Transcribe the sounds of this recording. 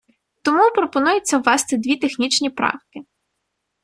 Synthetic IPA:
t̪ɔmupɾɔpɔnujʊt͡sʲːɐwʋɑst̪ɪd̪ʲʋʲit̪exnʲit͡ʃnʲipɾɑ̰wkɪ

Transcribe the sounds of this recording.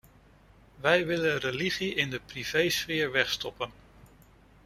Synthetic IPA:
ʋɛjʋɪlənrəliχiɪndəpriv̥ejsfɪːɹʋɛχstɔpən

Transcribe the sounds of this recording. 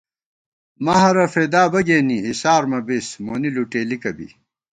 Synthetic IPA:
mɐɦɐɾɐfeːd̪aːbɐɡeːniisaːɾmɐbismoːniluʈeːlikɐbḭ

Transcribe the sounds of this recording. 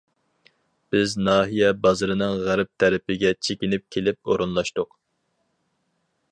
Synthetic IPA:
b̥ɪznɑːɦijɛbɑzɨɾɨnɨŋʁæɾp̚t̪ʰæɾɪpʰɪɡʲɛt͡ʃʰekʲɪnɪp̚kʲʰelɪp̚oɾunlˠɑʃt̪ʊq

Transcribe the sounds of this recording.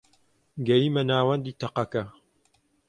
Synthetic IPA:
ɡɐjiːmɐnaːwɐnd̪iːt̪ɐqɐkɐ

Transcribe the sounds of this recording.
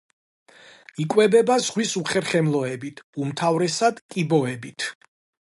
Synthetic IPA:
ikʼwɛbɛbazʁwisuχɛɾχɛmlˠɔɛbit̪ʰumt̪ʰavɾɛsad̪kʼibɔɛbit̪ʰ

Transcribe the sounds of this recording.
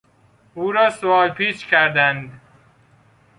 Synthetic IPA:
uːɾɒːsoɒːlpʰiːt͡ʃkʲʰæɾd̪ænd̪

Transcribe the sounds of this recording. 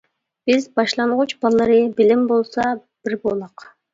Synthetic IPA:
b̥izbɑʃlˠɑɴʁut͡ʃbɑlˠːɑɾɯbilimbolˠsɑ | b̥iɾbolˠɑq

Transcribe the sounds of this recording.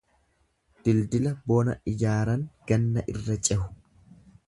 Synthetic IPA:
d̪̥ɪld̪ɪlɐboːnɐ̰ʔɪjaːɾɐŋɡ̥ɐnːɐʔɪrːɐt͡ʃʼɛhʊ̥

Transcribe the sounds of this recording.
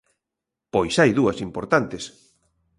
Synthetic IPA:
pojsajðuɐsimpoɾt̪ant̪es

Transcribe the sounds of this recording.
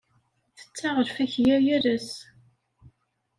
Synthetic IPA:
θə̥t͡sːaʁəɾfæçjæjæɾəs

